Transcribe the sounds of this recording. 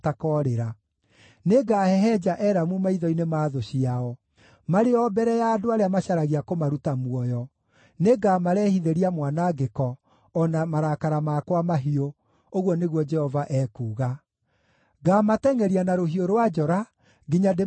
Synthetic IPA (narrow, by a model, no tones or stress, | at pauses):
takɔɾeɾa | neɡahɛɦɛd͡ʒaʔɛːɾamumaiðɔinemaːðoɕiaɔ | maɾeɔbɛɾɛjaːdoaɾeamaɕaɾaɣiakomaɾutamwɔjɔ | neɡaːmaɾɛːhiðeɾiamwanaɡekɔː | namaɾakaɾamakwamaɦio | oɣwɔneɣwɔd͡ʒɛhɔvaʔɛːkuːɣa | ɡamatɛŋɛɾianaɾoɦioɾowad͡ʒɔɾa | ɡiɲade